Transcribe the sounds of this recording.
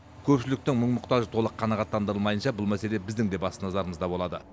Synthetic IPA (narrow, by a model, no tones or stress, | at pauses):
kʲʰɵpʃɪlɪk̚t̪ɪŋməɴmʊqt̪ɑʒət̪ʰo̞lˠəqʰːɑnɑʁɑt̪ːɑnd̪əɾəlˠmɑjənʃɑbʊlˠmæse̞le̞bɪzd̪ɪŋd̪e̞bɑsənɑzɑɾəməzd̪ɑbo̞lˠɑd̪ə